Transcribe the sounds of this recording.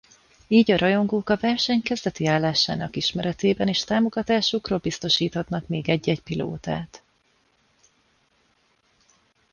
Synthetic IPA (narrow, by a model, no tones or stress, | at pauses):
iːɟɒɾʔɒjo̞ŋɡoːkɒvɛrʃɛɲkɛzd̪ɛt̪iaːlːaːʃa̰ːnɒkiʃmɛɾɛt̪eːbɛneːʃt̪aːmo̞ɡɒt̪aːʃukroːlbist̪o̞ʃiːt̪hɒt̪nɒkmeːɡɛɟːɛcpilo̰ːt̪a̰ːt̪